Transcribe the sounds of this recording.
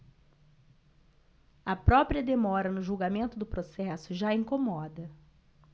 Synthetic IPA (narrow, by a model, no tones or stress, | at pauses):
ɐpɾɔpɾiɐd̪emɔɾɐnʊʒuwɡamẽnt̪ʊd̪ʊpɾosɛsʊʒaĩŋkomɔd̪ɐ